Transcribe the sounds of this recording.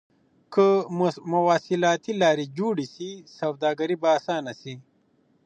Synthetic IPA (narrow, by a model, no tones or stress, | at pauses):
kəmɐwaːsilaːt̪ilaːɾid͡ʒuːɽisisɐwd̪aːɡɐɾibaːsaːnɐsi